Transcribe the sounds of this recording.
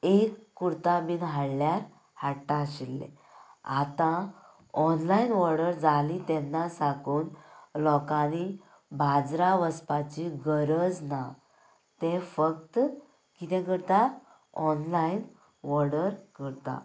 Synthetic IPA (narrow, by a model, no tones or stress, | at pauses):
ekːuɾt̪abiːnɦaɽljaɾ | haʈːaɕilːḛ | a̰t̪ã | ɔnlainʋɔɾɽəɾd͡zalit̪ɛnːasakuːnlɔkani | bʱad͡zɾaʋəspat͡ɕiɡəɾəd͡zna | t̪ɛ̃fək̚t̪ | kit̪ɛ̃ɡəɾt̪a | ɔnlain | ʋɔɾɽəɾkəɾt̪a̰